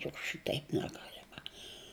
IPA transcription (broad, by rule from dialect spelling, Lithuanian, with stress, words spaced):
jʊk ˈʃʲɪtʲɛɪp nʲɛˈɡɑːlʲɛmɐ